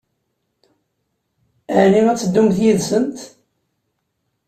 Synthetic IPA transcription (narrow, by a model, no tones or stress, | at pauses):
əʕniŋæt͡sːəd̪ːumθjiðsənt̪